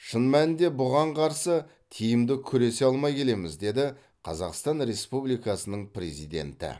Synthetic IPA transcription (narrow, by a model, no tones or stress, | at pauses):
ʃənmænɪd̪e̞bʊʁɑɴqʰɑɾsə | t̪ʲʰijɪmd̪ɪkʲʰɵɾe̞se̞ɑlˠmɑjkʲʰe̞le̞mɪzd̪e̞d̪ɪ | qʰɑzɑqst̪ɑnɾe̞spublijkɑsənəɴpʰrʲe̞zijd̪e̞̰nt̪ɪ̰